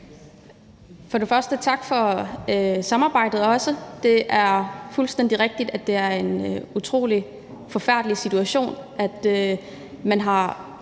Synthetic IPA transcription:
fɒ̽ɾe̝fɶɐsd̥ət͡sʰɑ̈ɡ̥fɒ̽ | sɑ̈mɑ̈ːb̥ɑ̈ɪ̰d̥ð̩ˠɒ̽səd̥e̝ʔæɐfulsd̥en̰d̥iʁeɡ̥̚d̥id̥æd̥e̝æɐe̝nut͡sʰʁo̝̰ːli | fɒ̽fæɐ̰d̥lisit͡sʰuæɕo̝̰ːnʔæd̥ø | mænɦɑ̈

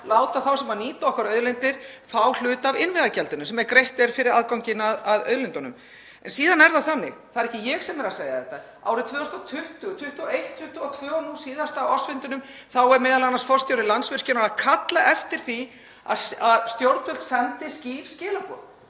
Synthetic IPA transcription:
laːwt̪aθawsɛmaniːt̪aɔhkaɾœːðlɪnt̪ɪɾ̥θawl̥ʏːt̪avɪnvɪðacɛlt̪ʏnʏmsɛmɛɾkɾejht̪ɛɾfɪɾɪɾaðkawŋcɪnaðaðœ̰ðlɪnt̪ɔnʏm | ɛ̰nsiːðanɛɾθaθanːɪ̰ɣθaðɛɾɛhcɪjɛɣsɛmɛɾaðseːja̰θɛht̪ːa | a̰ːwɾɪt̪ʰvœːɔst̪ɔt̪ʰʏht̪ʏt̪ʰʏht̪ʏɔejht̪ʰːʏht̪ʏɔt̪ʰvœːɣɔnuːsiːðast̪aːɔsfɪnt̪ʏnʏm | θawɛɾmɛːðalanansfɔrst̪jawɾɪlansvɪr̥cʏnaɾaðkʰat̪laʔɛft̪ɪɾ̥θi | a̰saðst̪jowɾðfʰœlt̪sɛnt̪ɪsciːvscɪːlapɔ̰θ

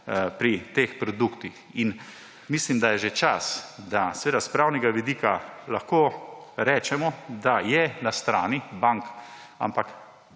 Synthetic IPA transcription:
pɾit̪eːxpɾɔd̪ukt̪ixin | mislimd̪ajɛʒet͡ʃasd̪asɛʋeːd̪aspɾawnɛɡaʋid̪iːkalaxkoːɾɛːt͡ʃɛmɔd̪ajɛnast̪ɾaːnibaŋka̰mpak

